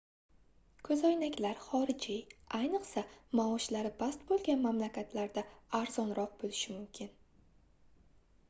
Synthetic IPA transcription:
kʰɵzɒjnakʲlaɾχɒɾɪd͡ʒɪajnɨqsamaɒʃlaɾɪbast̪bolˠɡʲanmamlakʲat̪ʰlaɾd̪aːɾzɒnɾɒq̚bolɪʃɪmʊmkʲʰɪn

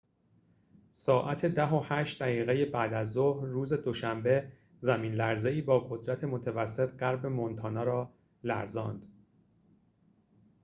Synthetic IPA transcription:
sɒːʔæt̪ʰe̞d̪æɦo̞hæːʃt̪̚d̪æɣiːɣejebæːd̪æzːohɾːuːze̞d̪o̞ʃæmbe̞ | zæmiːnlæɾze̞iːbɒːɡo̞d̪ɾæt̪ʰe̞mo̞t̪ʰævæsːe̞t̪ʰɢæɾbe̞mont̪ʰɒːnɒːɾɒː | læ̰ɾzɒ̰ːnd̪̥

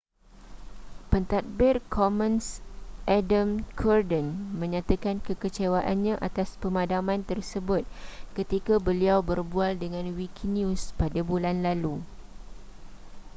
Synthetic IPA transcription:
pənt̪at̪̚bɪrkʰɔmə̃nsʔadamkʰɔrdənmə̃ɲãt̪akankəkət͡ʃewaʔanɲãʔat̪aspəmãdamãnt̪ərsəbʊt̪̚kət̪ikabəliawbərbualdəŋãnwikinjũspadabulanlalu

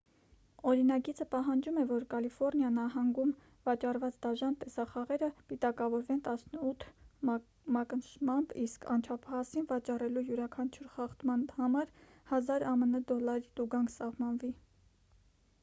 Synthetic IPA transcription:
ɔɾinɑɡit͡sʰəpɑɦɑnd͡ʒumɛvɔɾkɑlifɔɾnjɑnɑɦɑŋɡum | vɑt͡ʃɑrvɑt͡sd̪ɑʒɑnt̪ɛsɑχɑʁɛɾəb̥it̪ɑkɑvɔɾvɛnt̪ɑsnəut̪ʰ | mɑkənʃmɑmbiskʰɑ̰nt͡ʃʰɑpʰɑɑsinvɑt͡ʃɑrɛlujuɾɑkʰɑnt͡ʃʰuɾχɑχt̪mɑnhɑmɑɾ | hɑzɑɾɑmənəd̪ɔlɑɾit̪uɡɑŋkʰsɑvmɑnvi

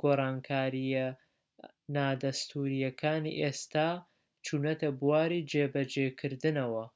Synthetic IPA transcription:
ɡ̥oːrˤɑːŋkʰaːɾijɐ | naːd̪ɐst̪ʰuːɾijɐkʰaːnḭʔest̪aː | t͡ʃʰunɐt̪ɐbuwaːɾid͡ʒeːbɐd͡ʒeːkʰɨɾd̪ɨnɐwɐ

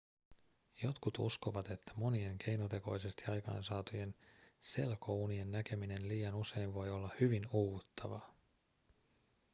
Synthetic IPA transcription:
jo̞t̪kut̪ṵsko̞ʋɑt̪e̞t̪ːæ̥mo̞nie̞ŋk̟ʰe̞jno̞t̪e̞ko̞̰jse̞st̪iɑjkɑ̰jnsɑːt̪uje̞nse̞lko̞uːnie̞nːæke̞mine̞nliːjɑnuse̞jɱʋo̞jo̞lːɑhyʋinuːut̪ːɑʋɑ̰

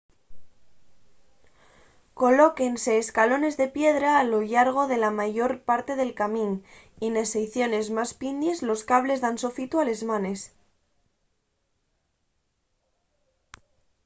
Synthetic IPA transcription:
ko̞lo̞ke̞nse̞ːskalo̞ne̞zðe̞pje̞ðɾaːloʎaɾɣ̞o̞ðe̞lamaʝo̞ɾpaɾt̪e̞ð̞e̞lkamĩn | ine̞sejθjo̞ne̞zmaspind̪je̞zlo̞skaβle̞zðanso̞fit̪uale̞zmane̞s

